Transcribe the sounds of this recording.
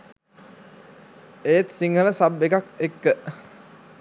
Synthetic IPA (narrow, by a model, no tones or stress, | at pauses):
eːt̪siŋɡələsabːekakekːə